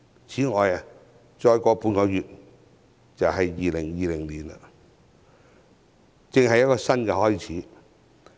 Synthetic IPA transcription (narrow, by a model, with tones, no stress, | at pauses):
t͡sʰiː˨˥ŋɔː˨ja˨˧ | t͡ʃɔː˧jkɔː˨˧puː˧nkɔ˨˧jyː˨t̚ | t͡sɐ˨wɦɐ˨jːiː˨lɪ˨˩ŋjiː˨˧lɪ˨˩ŋliː˨˩na̰˧ | t͡sɪ˨˧ŋhɐ˨jɐ˥t̚kɔː˧sɐ˥nkɛ˧hɔː˥jt͡sʰiː˨˥